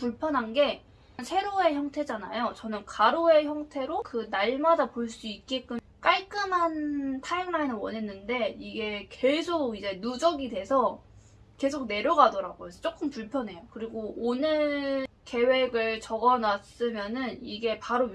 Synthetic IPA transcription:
puɭpʰjʌnɦanɡe̞ | nsʰe̞ɾoe̞çjʌŋtʰe̞d͡ʑanajot͡ɕʌnɯnkaɾoe̞çjʌŋtʰe̞ɾokɯnaɭmadapoɭs͈uik͈e̞k͈ɯ | k͈aɭk͈ɯmɦantʰajɯŋnainɯɭwʌnɦe̞nːɯnde̞iɡe̞ke̞sʰoɡid͡ʑe̞nud͡ʑʌɡidwe̞sʰʌ | ke̞sʰoɡ̚ne̞ɾjʌɡadʌɾaɡoesʰʌt͡ɕ͈ok͈ɯmpuɭpʰjʌnɦe̞jokɯɾiɡoonɯɭ | ke̞we̞ɡɯɭt͡ɕʌɡʌnas͈ɯmjʌnɯniɡe̞paɾo

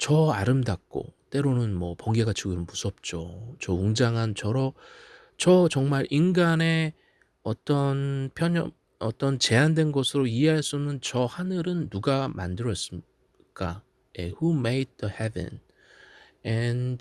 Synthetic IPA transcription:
t͡ɕʌaɾɯmdak̚k͈o̰t͈e̞ɾonɯnmwʌpʌŋɡe̞ɡat͡ɕʰuɡɯɾɯnbusʰʌp̚t͡ɕ͈ot͡ɕʌuŋd͡ʑaŋant͡ɕʌɾʌ | t͡ɕʌt͡ɕʌŋmaɾʔinɡane̞ | ʌt͈ʌnpʰjʌɲʌm | ʌt͈ʌnt͡ɕe̞andwe̞nɡʌsʰɯɾoieɦaɭs͈unːɯnt͡ɕʌhanɯɾɯnːuɡama̰ndɯɾʌs͈ɯm | k͈a | jehumejt̚ðəhɛvḛ̃n | ɛnd

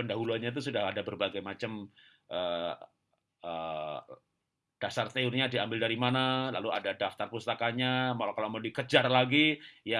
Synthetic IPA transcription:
pəndaɦuluanɲat̪̬us̬udahadabərbaɡajmat͡ʃəm | ʔə | ə | d̥asart̪eurɲadiambɪldaɾimanala̰luadadaft̪arpust̪akaɲamalakaloməndikəd͡ʒarlaɡija

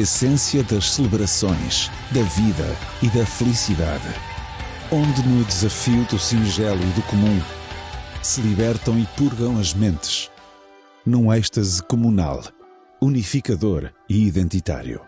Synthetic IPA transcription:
esẽsjɐðɐʃsɨlˠɨβɾɐsõ̰j̃ʃ | ðɐviðɐ̰iðɐfɨlˠisiða̰ðɨ | õnd̪ɨnud̪ɨzɐfiuðusĩʒɛlˠuiðukumũ | sɨlˠiβɛɾt̪ɐ̃w̃ipuɾɣɐ̃w̃ɐʒmẽnt̪ɨ̥ʃ | nũɛʃt̪ɐzkumuna̰lˠ | unifikɐðoɾiːðẽnt̪it̪a̰ɾjṵ

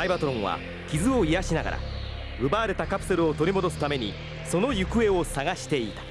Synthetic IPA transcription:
aibat̪oɾõ̞ɰ̃βa̰ | kʲizɨo̞ijaɕinaɡa̰ɾʔa̰ | ɯbaːɾe̞t̪akapɯ̟se̞ɾɯ̟o̞t̪o̞ɾʲimo̞d̪o̞sɨ̥t̪ame̞ɲ̟ḭ | so̞no̞jɯkɯ̟e̞o̞saɡaɕi̥t̪e̞it̪ḁ

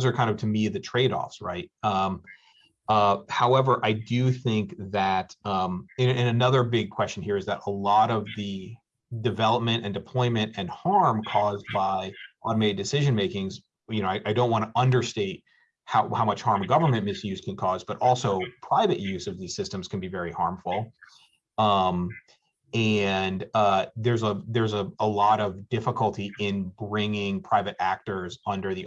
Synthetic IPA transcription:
zə˞kʰãɪ̃ndʌv̥tʰɨmiðɨtʰɹ̥eɪɾɔ̰fsɹa̰ɪt̚ʌ̃m | ʌhaʊɛvə˞ʔaɪdɨθɪ̃ŋkðɨtʌ̃mɨ̃nɨ̃nɨnʌðə˞bɪɡ̚kʰw̥ɛst͡ʃɨ̃nhiɹɨzðəɾəlɔɾʌvðɨ | dɨvɛlˠəp̚mɨ̃ñtɨ̃ndɨpʰl̥ɔ̃ɪ̃mɨ̃ntɨ̃nhɑɹmkʰɔzbaɪʔɑmeɪdɨsɪʒɨ̃nmeɪkɪ̃ŋz | jɨnoʊaɪʔaɪdõʊ̃nʔwɑ̃nəʔʌ̃ndə˞steɪt̚ | haʊhaʊmʌt͡ʃhɑɹmɡʌvə˞mɨ̃nmɪsjʉz̥kʰɨ̃nkʰɔzbʌɾʔɔlˠsoʊpʰɹ̥aɪvɨʔjʉzʌvðiz̥sɪstɨ̃mz̥kʰɨ̃n̩bivɛɹihɑɹɱfl̩ˠ | ʌ̃m | ɨ̃nʌðə˞zəðə˞zəəlɔɾʌvdɪfəkəl̩ˠtiʔɪ̃nbɹɪ̃ŋɪ̃ŋpʰɹ̥aɪvɨɾæk̚tə˞zʌ̃ndə˞ði

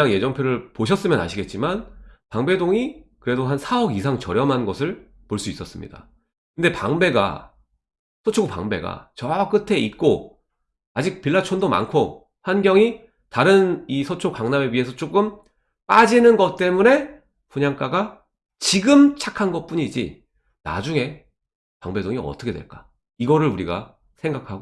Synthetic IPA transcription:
ɯɲaŋje̞d͡ʑʌŋpʰjoɾɯɭpoɕ̬ʰʌs͈ɯmjʌna̰ɕʰiɡet̚t͡ɕ͈imanpaŋbe̞doŋikɯɾe̞doɦansʰaʌɡisʰaŋt͡ɕʌɾjʌmɦanɡʌsʰɯɭ | poɭs͈uis͈ʌs͈ɯmɲḭda̰ | kɯnde̞paŋbe̞ɡa̰ | sʰot͡ɕʰoɡupa̰ŋbe̞̰ɡa̰t͡ɕʌwk͈ɯtʰe̞it̚k͈o | ad͡ʑik̚piɭːat͡ɕʰondoma̰nkʰo | hanɡjʌŋi | taɾɯnisʰot͡ɕʰokaŋnameɥiɦe̞sʰʌt͡ɕ͈ok͈ɯm | p͈ad͡ʑinɯnɡʌt̚t͈e̞mune̞ | puɲaŋk͈aɡa | t͡ɕiɡɯmt͡ɕʰakʰanɡʌp͈uɲid͡ʑḭ | na̰d͡ʑuŋe̞ | paŋbe̞doŋiʌ̰t͈ʰʌkʰe̞dwḛɭk͈ḁ | iɡʌɾɯɭuɾiɡa̰ | sʰeŋɡakʰaɡo

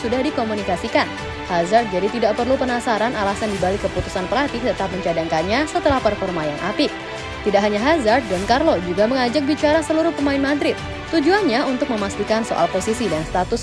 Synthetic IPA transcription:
sudahdikomunikasikan | hazart̪̚d͡ʒadit̪idaʔpərlupənasaɾanalasandibalɪkːəput̪u̥sanpəlat̪it̪ət̪ap̚məɲt͡ʃadaŋkanɲasət̪əlahpərfɔrmajaŋʔapɪ | t̪idaʔɦaɲaɦazart̪̚dɔnkarlod͡ʒuɡaməŋad͡ʒak̚bit͡ʃaɾasəluɾʊhpəmaɪnmad̪ɾɪt̪̚ːud͡ʒuanɲaunt̪ʊk̚məmast̪ikanso̰ʔa̰lposisidanst̪at̪ʊs

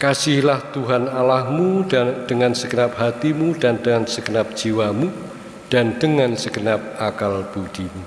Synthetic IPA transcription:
kasɪhlaht̪uɦanalahmud̥əŋansəɡənap̚ɦat̪imudandəŋansəɡənap̚d̥d͡ʒ̥iwamu | d̥and̥əŋansəɡənap̚akalb̥ud̥imu

